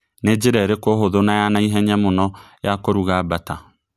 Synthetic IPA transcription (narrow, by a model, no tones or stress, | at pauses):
ned͡ʑeɾɛɾekoɦoðonajanaiɦɛɲɛmonɔjakoɾuɣaːbata